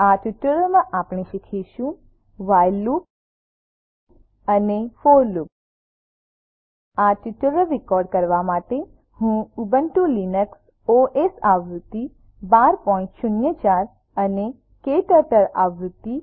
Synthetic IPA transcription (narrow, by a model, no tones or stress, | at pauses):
aʈuʈələmãʔapɳ̃ẽʃikʰiʃũ | ʋajlːu | ənefoɾluk̚ | aʈuʈələɾikɔɾɖkəɾʋamaʈe | hũubənʈulinəks | oʔesaʋɾut̪ːi | baɾpɔɪ̃nʈʃʊnjət͡ʃaɾ | əne | keʈəɾʈəɾa̰ʋɾut̪ːi